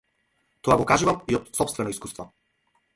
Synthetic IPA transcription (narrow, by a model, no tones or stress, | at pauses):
t̪ɔaɡɔkaʒuvamiɔt̪sɔpst̪vɛnɔiskust̪vɔ